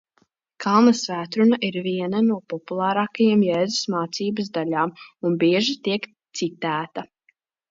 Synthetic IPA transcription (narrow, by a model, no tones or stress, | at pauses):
kʰalˠnɐsvæːt̪ɾunaʔiɾviɛnanuɔpɔpulˠaːɾaːkajamjɛːzusmaːt̪siːbɐsd̪aʎaːmunbiɛʒit̪iɛk | t̪sit̪æːt̪a